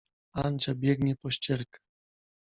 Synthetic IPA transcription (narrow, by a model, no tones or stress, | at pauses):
ant͡ɕabʲjɛɡɲɛpɔɕt͡ɕɛɾkḁ